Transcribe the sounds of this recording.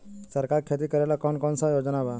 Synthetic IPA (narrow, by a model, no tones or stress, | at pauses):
səɾkaɾkʰet̪̬iːkəɾajlakɔnkɔnsajod͡znaba